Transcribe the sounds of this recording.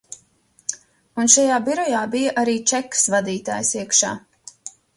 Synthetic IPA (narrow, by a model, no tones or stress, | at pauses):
unʃajaːbiɾɔjaːbijaʔaɾiːt͡ʃɛkːsvad̪iːt̪a̰ːjsiəkʃa̰ː